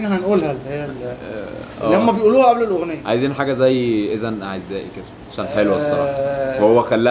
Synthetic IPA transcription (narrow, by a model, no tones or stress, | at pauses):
næhænʔuːlhæleæl | ʔæːlæmæbejʔuːluːhæʔæblelʔoɣnejːæʕajziːnħaːɡæzæjːʔezænaʕezːæːʔiked̪æʕaʃæːnħelowesˤːɑlɑwehowːæxælːæ